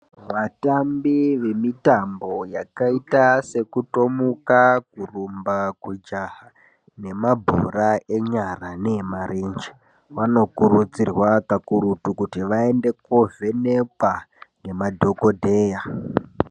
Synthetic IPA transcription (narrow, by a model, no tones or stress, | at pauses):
ʋatambiʋe̞mitambo̞jakaitase̞kuto̞mukak̚urumbakwud͡ʒaha | ne̞mabʱo̰rae̞ɲaranemaɾend͡ʒe | wano̞kuɾut͡sirwakakuɾutukutiʋae̞nde̞kovʱe̞nepaŋɡe̞madʱo̞ko̞dʱeːja